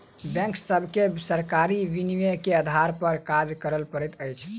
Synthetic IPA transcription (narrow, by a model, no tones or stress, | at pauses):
bɛ̃ŋksːəbʱkesəɾkaɾiʋiniʋekeəd̪ʱaɾpəɾkad͡ʒkəɾəlpəɾɛt̪əjt͡ʃʰ